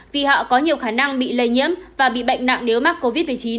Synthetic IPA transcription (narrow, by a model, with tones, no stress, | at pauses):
vi˨˩hɔ̰˧˨kɔ˨˦ɲi˨˩əwxaː˧˩na˧ŋɓḭ˧˨lə˧˩jɲḭ˧˥əmvaː˨˩ɓḭ˧˨ɓə̰˧˨jŋ̟na̰˧˨ŋne˨˦wmaː˦˥t̚ko˧vi˦˥t̚mɨ˨˩əjt͡ɕi˨˦n